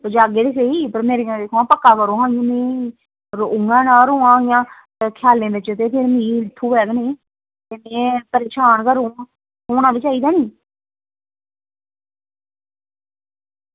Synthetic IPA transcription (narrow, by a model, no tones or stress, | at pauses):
d͡ʒaːɡeːɾiːs̬eiːpəɾmeːɾeãd̪eːkʰːãːpəkːaːkəɾõːɦãːɡinĩː | ɾoʊŋɡãːnaːɾuːãːjãː | kʰjaːlẽːbɪt͡ʃt̪eːpʰɪɾmĩːlɪt̪ʰːuːʋɛːɡnĩː | t̪eːmɛ̃ːpəɾeːʃaːnkəɾũː | oːnãːbɪt͡ʃaːiːd̪aːniː